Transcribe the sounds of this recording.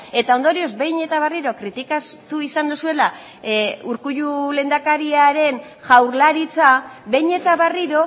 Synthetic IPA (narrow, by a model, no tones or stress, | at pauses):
e̞t̪ao̞nd̪o̞ɾio̞zbe̞jɲe̞t̪aβeriɾo̞kɾit̪ikat̪uisand̪usue̞la | uɾkuʎule̞ːnd̪akaɾiaɾe̞n | ʝawɾlaɾit͡saβe̞jɲe̞t̪aβariɾo̞